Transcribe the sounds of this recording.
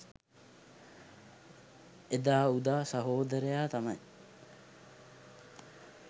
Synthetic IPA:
ed̪aːud̪aːsɐɦoːd̪ɐɾejaːt̪ɐmɐj

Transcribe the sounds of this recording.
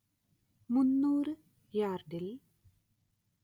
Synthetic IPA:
munːuːrɨ | jaːrɖil

